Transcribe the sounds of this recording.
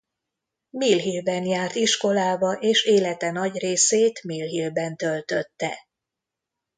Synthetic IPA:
milɦilbɛnjaːrt̪iʃko̞laːbɒʔeːʃeːlɛt̪ɛnɒɟreːseːt̪milɦilbɛnt̪ølt̪øt̪ːɛ̰

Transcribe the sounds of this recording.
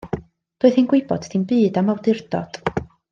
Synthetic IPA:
d̥oːɨðinɡwɪɨbɔ̰ddʰinbɨːdamawdɪrd̥ɔ̰d̥

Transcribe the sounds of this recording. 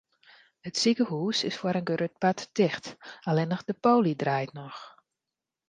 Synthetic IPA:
hətsikəhuːsɪsfwaɾənɡəɾøt̚patd̥ɪxtalɛnəxdəpoːlidrajtnɔx

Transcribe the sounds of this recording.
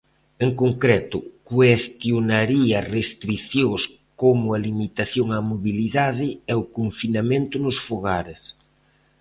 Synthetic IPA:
eŋkoŋkɾɛt̪ʊkwest̪jonaɾiɐːrest̪ɾiθjoŋs | komʊɐlimit̪aθjoŋamoβiliðaðɪɛʊkoɱfinamẽnt̪ʊnʊsfoɣaɾɪs

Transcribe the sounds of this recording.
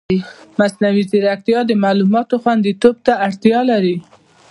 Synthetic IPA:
masnawiziɾak̚t̪jɑd̪əmalumɑt̪oxwand̪it̪ob̚t̪aaɽt̪jɑlaɾi

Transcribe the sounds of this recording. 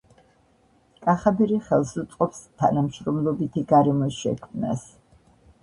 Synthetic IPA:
kʼaχabɛɾiχɛlˠsut̪sʼqʼɔpst̪ʰanamʃɾɔmlˠɔbit̪ʰiɡaɾɛmɔsʃɛ̰kʰmna̰s

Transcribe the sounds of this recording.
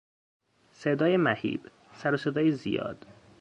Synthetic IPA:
sed̪ɒːjemæhḭːb̥ | sæɾose̞d̪ɒːjezijɒ̰ːd̪̥

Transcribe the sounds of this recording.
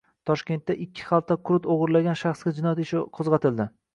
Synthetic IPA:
t̪ʰɒʃkʲe̞nt̪ːaʔɪkʲʰːɪ̥χɑlˠt̪ʰːakʰʊɾʊt̪oʁɨɾlaɡʲanʃaχsɡʲad͡ʒɪnɒjat̪ɪʃɪqʰozʁɑt̪ʰɪld̪ɪ

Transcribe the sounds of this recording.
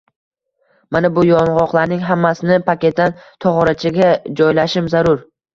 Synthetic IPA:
manabʊjɒnʁɒqlˠaɾnɪŋɦamːasɪnɪpʰakʲe̞t̪̚d̪ant̪ʰɒʁɒɾat͡ʃʰɪɡʲad͡ʒɒjlaʃɪmzaɾʊɾ

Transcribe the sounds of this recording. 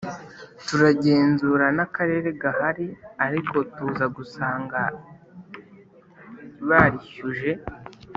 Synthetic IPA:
tuɾaɟe̞ːnzuːɾanakaɾe̞ːɾe̞ɡahaɾiaɾiko̞tuːzaɡusaːŋɡa | βaɾiçuʒe̞

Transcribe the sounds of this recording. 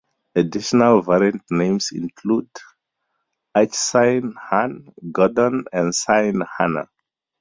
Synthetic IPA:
adiʃɔnalvaɹiãntnẽmsḭ̃nkʰlud | at͡ʃsãɪnhãnɡɔdɔ̃nɛ̃nsãɪnhanə̰

